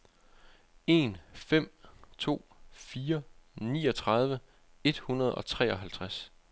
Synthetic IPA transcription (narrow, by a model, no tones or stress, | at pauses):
e̝̰ːnfem̰t͡sʰo̝̰ːfiːɐnḭːɒ̽t͡sʰʁɑ̈ð̞ˠʋə | e̝d̥hunɐð̞ˠɒ̽t͡sʰʁɛ̰ːɒ̽ɦælt͡sʰʁas